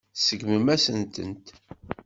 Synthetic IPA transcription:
səɡməmæsənt̪ə̰nt̪

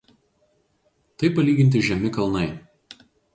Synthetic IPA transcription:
t̪ɐɪpɐlʲiːɡʲɪnʲt̪ʲɪʒʲɛmʲɪkɐlˠnɐɪ

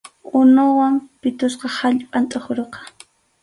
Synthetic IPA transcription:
ʊnʊwampɪt̪ʊsqɑhaʎpʼant̪ʼahʊɾoqɑ̥

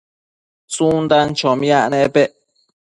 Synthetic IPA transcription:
sund̪ant͡ʃomjaʔneʔpeʔ

